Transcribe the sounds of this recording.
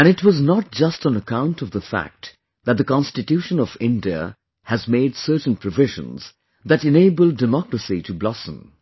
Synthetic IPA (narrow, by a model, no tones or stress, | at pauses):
ɨ̃nɨtwʌznət̚d͡ʒ̥ʌstn̩əkʰãʊ̃ntʌvðəfæ̰k̚ | ðɨt̪̚ðɨkɑ̃nstɨtjʉʃə̃nʌvɪ̃ndiə̰ | ɨzmeɪdsɜ˞tn̩pʰɹ̥ɨvɪʒə̰̃nz̥ | ðɨɾɨ̃neɪbəl̩ˠdɨmɑkɹəsiɾʰɨblɑsə̰̃m